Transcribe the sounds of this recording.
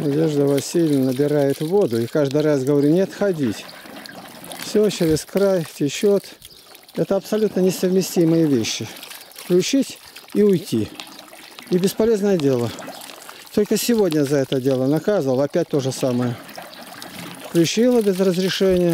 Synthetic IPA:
nɐdʲe̞ʐd̪əvɐsʲilʲnənəbʲɪɾajɪt̪vo̞d̪ʊikaʐd̪ɨjras̬ɡəvɐɾʲunʲe̞t̪xɐdʲitʲ | fsʲot͡ɕeɾʲɪskɾajtʲɪt͡ɕot̪ | ɛt̪əɐpsɐlʲut̪nənʲɪsəvmʲɪsʲtʲiməjəvʲeɕːɪfklʲʉt͡ɕitʲiʊjtʲi | ibʲɪspɐlʲe̞znəjədʲe̞lˠə | t̪o̞lʲkəsʲɪvo̞dʲnʲəzɐɛt̪ədʲe̞lˠənɐkazɨvəlˠɐpʲæt̚ʲt̪o̞ʐɨsaməjə | fklʲʉt͡ɕilˠəbʲɪzrəzɾʲɪʂɛnʲɪjə

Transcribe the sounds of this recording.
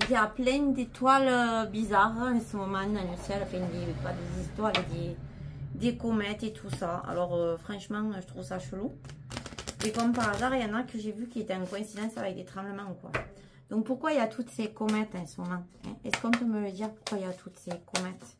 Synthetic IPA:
iljaplɛ̃nd̪et̪walbizaʁɛ̃səmɔmɑ̃d̪ɑ̃ləsjɛlãffɛ̃nd̪epad̪ezist̪wɔaavɛk̚d̪e | d̪ekɔmɛt̪et̪ʰusaa̰lɔʁøfχɑ̃ʃəmɑ̃ŋʒət̪χuvəsaʃəlu | mekɔmpaʁazaʁeljãnakəʒevykʲilet̪ɛɛ̃ŋkɔɛ̃sid̪ɑ̃savɛk̚d̪et̪χɑ̃bləmɑ̃kwa̰ | d̪̥ɔ̃ŋk̚puʁkwailjat̪ʰut̪əsekɔmɛt̪ɛ̃səmɔmɑ̃ŋɛ̰̃ɛskɔ̃pømələd̪iʁpu̥ʁkwailjat̪ʰut̪əsekɔmɛt̪

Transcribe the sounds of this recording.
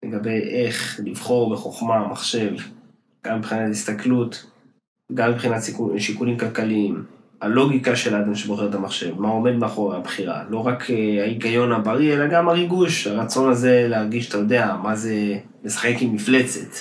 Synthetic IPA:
le̞ɡabe̞jʔe̞χlivχo̞ʁbeχo̞χmamaχʃe̞v | ɡ̥amːipχinathist̪aklut | ɡamːipχinatʃikuʃikulimkalkaliim | alo̞ɡikaʃelad̪amʃeboχe̞et̪amaχʃe̞vmao̞me̞d̪meaχo̞ʁaabχiʁa̰lo̞ʁakʰaiɡajo̞nabaʁielaɡamaʁiɡuʃaʁat͡so̞naze̞leaʁɡiʃat̪ajo̞de̞amaze̞ | lesḁχekimːifle̞t͡se̞t̪

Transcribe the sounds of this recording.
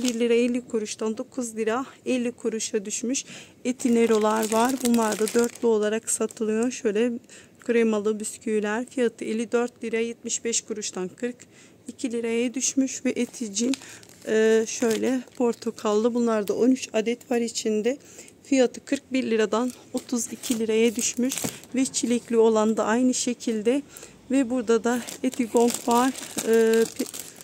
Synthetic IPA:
biɾlʲiɾaelʲːikʰuɾuʃt̪ʰand̪o̞kʰuzlʲiɾaɛlʲːikʰuɾuʃad̪yʃmyʃ | et̪ʰineɾo̞lˠaɾvaɾbunlˠaɾd̪ad̪øɾt̪lʲio̞lˠaɾaksat̪ʰɯlˠɯjo̞ʃø̞jlʲɛ | kʰuɾemalˠɯbyscʰyylʲæɾfijat̪ʰɯelʲːid̪øɾt̪lʲiɾajɛt̪̚miʃbɛʃkʰuɾuʃt̪ʰankʰɯɾk | icʰilʲiɾajad̪yʃmyʃvɛʔet̪ʰid͡ʒinɯːʃø̞jlʲɛpʰo̞ɾt̪ʰokʰalˠd̪ɯbunlˠaɾd̪aʔo̞nyt͡ʃʰad̪ɛt̪pʰaɾːt͡ʃʰind̪ɛ | fijat̪ʰɯkʰɯɾk̚biɾlʲiɾad̪ano̞t̪ʰuzicʰilʲiɾajɛd̪yʃmyʃvɛt͡ʃʰilʲiclʲio̞lˠand̪aʔajnɯʃe̞cʰilʲd̪ɛ | vɛbuɾd̪ad̪aet̪ʰiɡo̞ŋkvaɾɯːp

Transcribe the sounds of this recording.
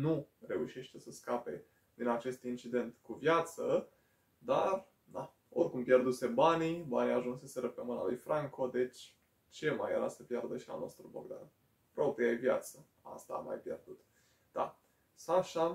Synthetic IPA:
nure̞uʃe̞ʃt̪e̞səskape̞̰ | d̪̥inat͡ʃe̞st̪int͡ʃid̪e̞nt̪kuvjat̪sə | d̪ar | d̪a | o̞rʲkumpje̞rd̪use̞banibaniaʒunse̞seɾəpemɨna̰lujfɾʔaŋkʰo̞d̪e̞t͡ʃʲ | t͡ʃe̞ma̰jḛɾasəpjerd̪əʃia̰lno̞st̪ɾuboɡd̪a̰n | pɾo̞pɾijajevja̰t̪sə | a̰st̪a̰ːma̰jpje̞̰rd̪ut̪ | d̪̥a̰ | saʃa

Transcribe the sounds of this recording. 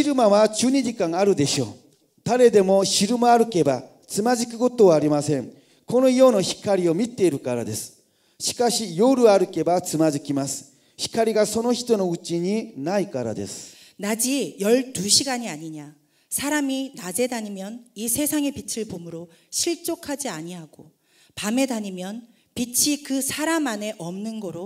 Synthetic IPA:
iɾɯmaβat͡ɕɨːɲid͡ʑikãŋaɾɯ̟d̪e̞ɕo̞ː | d̪̥aɾe̞d̪e̞mo̞ɕiɾɯmaaɾɯ̟ke̞ba | t͡sɨmaʑikɯko̞t̪o̞βaːɾʲimasẽ̞ŋ | ko̞no̞iono̞çi̥kaɾʲio̞mʲit̪e̞iɾɯ̟kaɾa̰d̪e̞sɨ̥ | ɕi̥kaɕijoɾɯ̟aɾɯ̟ke̞bat͡sɨmad͡ʑikʲimasɨ̥ | çi̥kaɾʲiɡaso̞noçi̥t̪o̞no̞ɯt͡ɕiɲinaikaɾa̰d̪e̞̰sɨ̥ | nad͡ʑijʌɭt̪uɕʰiɡaɲiaɲiɲa | sʰaɾaminad͡ʑe̞daɲimjʌnisʰe̞sʰaŋe̞pit͡ɕʰiɭbomɯɾo | ɕʰiɭt͡ɕ͈okʰad͡ʑiaɲiɦaɡ̥o | pame̞daɲimjʌn | pit͡ɕʰikɯsʰaɾamane̞ʔʌmnɯnɡʌɾo

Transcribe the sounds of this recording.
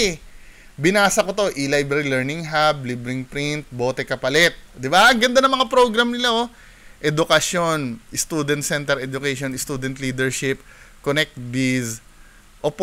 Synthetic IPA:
bɪnaːsɐko̞t̪o̞ʔɪlajbɛɾilɛɹnɪŋɦablibɾɪŋpɾɪnt̪̚bo̞ːt̪ɛkɐpɐlɛt̪̚d̪ɪbaŋɡɐnd̪anɐŋmɐŋapɾoɡɾɐmnɪlao | ʔɛd̪ʊkɐʃo̞nɪst̪uːd̪ɛnt̪sɛnt̪ɛɾɛd̪ʊkɛjʃonɪst̪uːd̪ɛnt̪liːd̪ɛɹʃɪp̚konɛk̚t̪̚bis | ʔop

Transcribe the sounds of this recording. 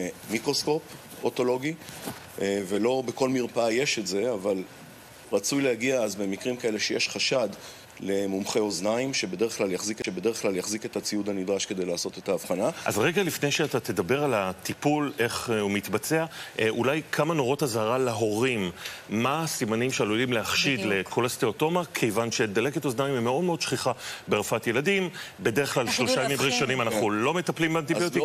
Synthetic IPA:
mikʁosko̞p | oto̞lo̞ɡi | ve̞lo̞beko̞lmiʁpaje̞ʃe̞tze̞aval | ʁat͡sujlehaɡiaazbe̞mikʁimkae̞le̞ʃejeʃχaʃad | le̞mumχe̞o̞znaimʃe̞be̞d̪e̞ʁeχklaljaχzikeʃebed̪e̞ʁeχklaljaχzike̞t̪at͡sijud̪anid̪ʁaʃkede̞jlaːso̞t̪e̞taːfχanaʔa̰zʁeɡalifne̞jʃeatat̪e̞dabe̞ʁalat̪ipule̞χumitbat͡seaʔulajkʰamano̞ʁo̞thazaʁaleɦo̞ʁimːasimanimʃealulimleaχʃidle̞kʰolast̪eoto̞makʰe̞jvanʃe̞d̪aleketoznaimimeo̞d̪me̞o̞d̪ʃχiχabeʁfatje̞ladimbe̞deʁeχklalʃloʃamimʁiʃanimanaχulo̞me̞taplimbeantioti

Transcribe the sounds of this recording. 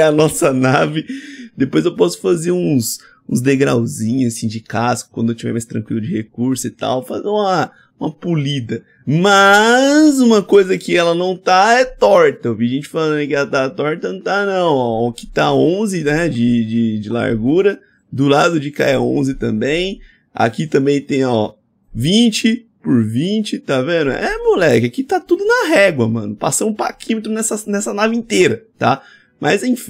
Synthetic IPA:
ɐnɔsɐnavɪd̪epojzewpɔsʊ̥fazeɾũs | ũzd̪eɡɾawzĩɲʊasĩd͡ʒɪkaskʊkɐ̃d̪ʊewt͡ʃivɛ̰jmajst̪ɾɐ̃ŋkwilʊd͡ʒɪhekuɾsʊɪt̪a̰wfazeũmɐ | ũmɐpulid̪ɐ | mɐzũmɐkojzɐkɪɛlɐnɐ̃w̃t̪aɛt̪ɔɾt̪ɐoviɐʒẽnt͡ʃɪfalɐ̃ɐ̃ẽkɪɛlɐt̪at̪ɔɾt̪ɐnɐ̃w̃t̪anɐ̃w̃ɔkɪ̥t̪aõzɪnɛd͡ʒɪd͡ʒɪd͡ʒɪla̰ɾɡuɾɐ | d̪ʊlad̪ʊd͡ʒɪka̰ɛaõ̰zɪt̪ɐ̰̃mbẽj̃ | a̰kit̪ɐ̃mbẽj̃t̪ẽj̃ɔ | vĩt͡ʃɪpʊɾvĩt͡ʃɪt̪avẽd̪ʊɛ̰ʔɛmulɛkɪakit̪at̪ud̪ʊnɐɦɛɡwɐmɐ̃nʊpasɐ̃mʊ̃pa̰kʰĩmet̪ɾʊnɛsɐnɛsɐnavĩnt̪eɾɐt̪a̰ | mʔɐzẽj̃fĩ

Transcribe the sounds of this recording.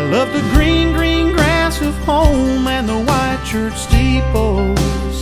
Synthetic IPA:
lʌp̚ðɨɡɹĩnɡɹĩnɡɹæsʌv̥pʰõʊmɨ̃nðəwaɪd̚t͡ʃʰɜ˞t͡ʃstip̚o | z̥

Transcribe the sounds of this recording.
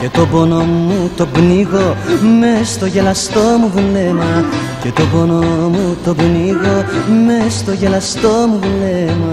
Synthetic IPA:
cet̪o̞bo̞nomut̪o̞bniɣo̞mest̪o̞ʝelɐst̪o̞muðulemɐ | cet̪o̞bo̞nomut̪o̞bniɣo̞mest̪o̞ʝelɐst̪o̞muðulemɐ

